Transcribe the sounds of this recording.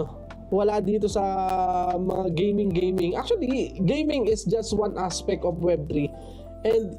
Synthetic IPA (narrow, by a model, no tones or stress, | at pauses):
o | wɐlad̪iːt̪̬osɐ | mɐŋaɡejmɪ̃ŋɡejmɪ̃ŋʔa̰k̚t͡ʃʊɐliɡejmɪ̃ŋɪsd͡ʒɐst̪̚wãnʔaspɛk̚t̪ofwɛb̚t̪ɾi | ʔɛnd̪̚